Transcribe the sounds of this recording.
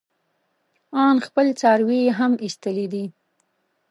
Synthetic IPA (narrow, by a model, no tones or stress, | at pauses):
ɑnxpəlt͡sɑɾwiɦamist̪əlid̪i